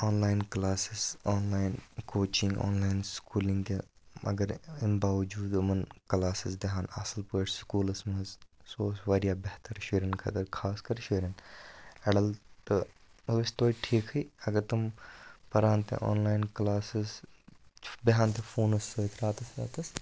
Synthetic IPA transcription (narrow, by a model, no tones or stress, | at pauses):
oːnlaːjnklaːsɪsoːnlaːjɪnkoːt͡ʃɪ̃ŋɡo̰ːnlaːjnskuːliŋɡeɐ̰ɡɐɾimbaːʋɐd͡ʒuːd̪mɐnklaːsɪsd̪eɦaːnɐ̰sɐlpəʈskuːlɐsmɐzsoːsʋaːɾijaːbeɦt̪ɐɾʃeːɾɐnkʰɐ̰t̪ɐɾkʰaːskɐɾʃeːɾɐnɛɽɐlt̪ɨ | ɐɐst̪oːiʈʰiːkʰɨjɐɡɐɾt̪ɐmpɐɾaːnt̪ḛʔo̰ːnlaːjnklaːsis | beɦãːnt̪efuːnɐsːɨt̪ɾaːt̪ɐsɾa̰ːt̪ɐs